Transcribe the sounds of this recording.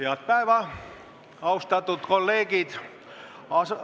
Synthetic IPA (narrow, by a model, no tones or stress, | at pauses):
iɑt̪̚pæiʋæ | ɑust̪ɑt̪ut̪kolːeːɡit̪ | ɑs